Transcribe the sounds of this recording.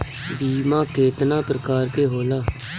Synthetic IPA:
biːmãːkeːt̪nãːpɾəkaːɾkeːɦoːlaː

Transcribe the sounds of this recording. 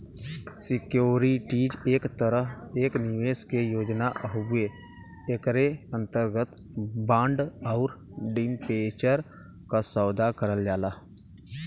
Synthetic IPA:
sɪkjoːɾiʈid͡ʒeːkt̪əɾəɦ | eːknɪieːskejoːd͡ʒnaɦe | ekɾeə̃nt̪əɾɡət̪ | bãːɳɖɔʊɾ | ɖinpeːt͡ʃəɾ | kasəːd̪akəɾəld͡ʒaːlaː

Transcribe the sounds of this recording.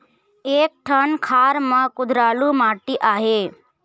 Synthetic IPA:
eːk̚ʈʰənkʰaːɾmãkʊd̪ʱɾaːlumaːʈiʔaːɦeː

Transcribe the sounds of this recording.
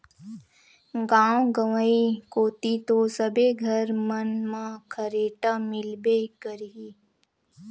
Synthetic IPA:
ɡãːwɡəʋəikoːt̪it̪osəbʱeɡʱəɾmənmãkʰəɾeːʈamɪlbekəɾi

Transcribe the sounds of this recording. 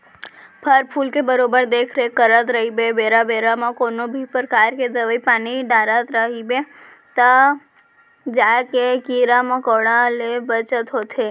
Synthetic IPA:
pʰəɾpʰulkebəɾobəɾd̪ekʰɾekəɾət̪ɾəɦibebeɾabeɾamãkonobʱipəɾkaɾked͡ʒəʋəipaniɖaɾat̪ɾəɦibe | t̪a | d͡ʒakekiɾamãkoɽãlebət͡ʃət̪ɦot̪ʰe

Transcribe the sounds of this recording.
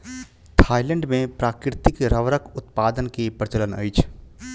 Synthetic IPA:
t̪ʰaːɪlɛ̃ɳɖmẽpɾaːkɾɪt̪ɪkɾəʋɾəkʊt̪paːd̪ənkepɾɪt͡ʃələnə̰it͡ʃʰ

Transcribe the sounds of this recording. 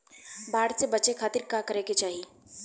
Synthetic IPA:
baːɽsebɐt͡ʃekʰaːt̪iɾkaːkəɾeket͡ʃaːɦi

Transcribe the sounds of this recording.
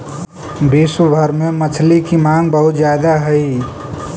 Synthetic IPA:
bisubʱəɾmẽmət͡ʃʰlikimãːŋɡ̚bəɦʊt̪d͡ʒjaːd̪aɦəi

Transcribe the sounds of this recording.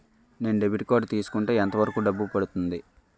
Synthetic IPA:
ne̞ːnuɖebiʈikoːɖt̪iːsu̥kuɳʈeːent̪ɐʋɐɾɐkuːɖɐbːupɐɽut̪und̪i

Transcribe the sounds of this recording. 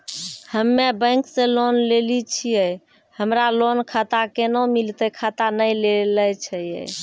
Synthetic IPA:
həmːebə̃j̃ksẽlonlelit͡ʃʰijəj | həmɾalonkʰat̪akenomilt̪əkʰat̪anəjleləjt͡ʃʰəjə̰j

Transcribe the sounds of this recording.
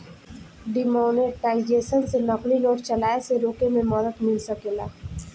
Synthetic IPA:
ɖimɔːneʈaːɪd͡ʒeːʃənsenɐqlinɔːɾt͡ʃɐlaːeseɾoːkemẽməd̪əd̪mɪlsəkeːlaː

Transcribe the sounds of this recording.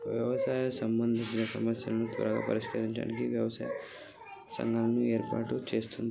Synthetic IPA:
ʋjɐʋɐsaːjɐsɐmbɐnd̪ʱit͡ʃinɐsɐmɐsjɐlɐnut̪ʋɐ̰ɾɐɡa̰ːpɐɾiʃkɐɾiɲt͡ʃa̰ːnikiʋjɐʋɐsa̰jɐ | sɐ̰ŋɡʱaːlɐnue̞ːɾpa̰ːʈut͡ʃe̞ːst̪und̪ii

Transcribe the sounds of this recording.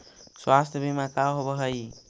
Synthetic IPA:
swast̪ʰjəbʱimakawɦobəɦəj

